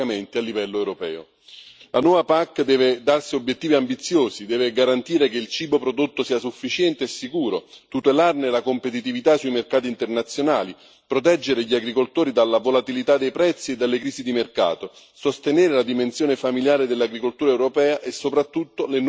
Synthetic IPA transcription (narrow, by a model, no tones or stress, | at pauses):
ament̪ialːivɛlːoewɾopɛ̰ːo̰ | lʔanwɔːvapakːd̪ɛːved̪arsiobjet̪ːiːviambit̪sːjoːzid̪ɛːveɡaɾant̪iːɾekeilt͡ʃiːbopɾod̪ot̪ːosiːasufːit͡ʃjɛnt̪eːsːikuːɾot̪ut̪elarnelakompet̪it̪̬ivit̪asuimerkaːt̪̬int̪ernat̪sːjonaːli | pɾot̪ɛd͡ʒːeɾeʎiaɡɾikolt̪oːɾid̪alːavolat̪ilit̪ad̪ːejpɾɛt̪sːied̪ːalːekɾiːzid̪imerka̰ːt̪o | sost̪eneːɾelad̪imensjoːnefamiljaːɾed̪elːaɡɾikolt̪uːɾaɛwɾopɛːaʔesːopɾat̪ːut̪ːolen